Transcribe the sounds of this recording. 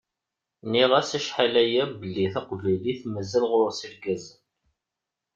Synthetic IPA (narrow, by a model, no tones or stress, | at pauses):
niʁæsæʃħalæjæbəlːiθæqvæjliθməzːælʁɾˤosiɾɡæzə